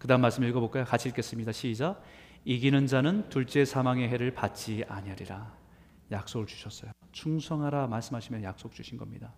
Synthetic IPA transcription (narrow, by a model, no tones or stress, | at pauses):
kɯdaɦɯnmaɭs͈ɯmiɭɡʌbok͈ajokat͡ɕʰiɭk͈es͈ɯmɲidaɕʰiːd͡ʑa | iɡinɯnd͡ʑanɯntuɭt͡ɕ͈e̞sʰamaŋe̞ɦe̞ɾɯɭpat̚t͡ɕ͈ia̰ɲiɦaɾiɾa | jak̚s͈oɡɯɭt͡ɕu̥ɕʰʌs͈ʌjo | t͡ɕʰuŋsʰʌŋɦaɾamaɭs͈ɯmɦaɕʰimjʌnjak̚s͈ok̚t͡ɕ͈uɕʰinɡʌmɲḭda